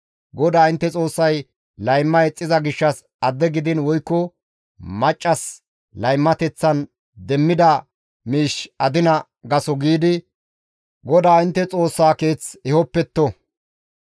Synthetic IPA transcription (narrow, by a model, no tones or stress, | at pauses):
ɡɔd̪aːɪnt̪ːɛt͡sʼo̞ːsːɐj | lɐjmːɐɛt͡sʼːɪzɐɡɪʃːɐs | ɐd̪ːɛɡɪd̪ɪnwɔjkːɔ | mɐt͡ʃʼːɐs | lɐjmːɐt̪ɛt͡sːɐn | d̪ɛmːɪd̪ɐ | miːʃɐd̪ɪnɐ | ɡɐsɔɡiːd̪ɪ | ɡɔd̪aːɪnt̪ːɛt͡sʼo̞ːsːaːke̞ːt͡sɪhɔpːɛt̪ːɔ